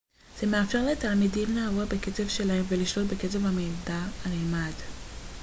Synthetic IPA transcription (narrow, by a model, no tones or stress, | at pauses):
z̥e̞meafʃe̞ʁle̞talmidimlavobeket͡sevʃe̞laemveliʃlo̞tbe̞ke̞t͡se̞vhamejdaalemad